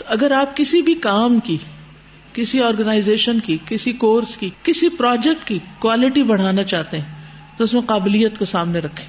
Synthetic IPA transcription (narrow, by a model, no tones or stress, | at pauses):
t̪oɐɡəɾaːp̚kɪsibʱikaːmki | kɪsiɔːɾɡənaːɪzeːʃənkikɪsikoːɾskikɪsipɾɔːd͡ʒɛk̚ʈkikwaːlɪʈibɐɽ̤aːnat͡ʃaːɦt̪eɦɛ̃ | t̪oʊsmẽqaːbɪlijːət̪kosaːmneɾɐkʰːẽː